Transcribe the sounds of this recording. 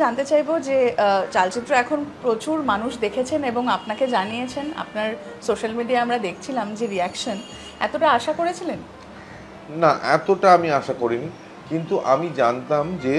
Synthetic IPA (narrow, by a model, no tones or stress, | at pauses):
d͡ʑant̪et͡ɕajbod͡ʑet͡ɕalt͡ɕit̪ːɾoɛkʰonpɾot͡ɕuɾmanuʃd̪ekʰet͡ɕʰeneboŋapnaked͡ʑanijet͡ɕʰena̰pnaɾ | soʃalmiɖiaamɾad̪ekʰt͡ɕʰilamd͡ʑeɾiɛkʃon | ɛ̰t̪oʈaaʃakoɾet͡ɕʰilen | naʔɛ̰t̪oʈaamiaʃakoɾini | kint̪uʔamid͡ʑant̪amd͡ʑe